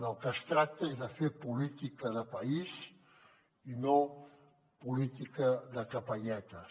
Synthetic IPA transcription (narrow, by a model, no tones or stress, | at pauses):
əlˠkəst̪ɾak̚t̪əezðəfeɾpulit̪ikəðəpɐiz | ino | pulit̪ikəðəkəpəʎɛt̪ə